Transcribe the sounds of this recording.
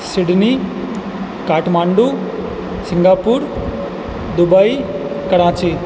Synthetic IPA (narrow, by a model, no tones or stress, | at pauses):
siɽni | kaːʈmaːɳɖu | siŋɡaːpuːɾ | d̪ubɐj | kɐɽãːt͡ʃi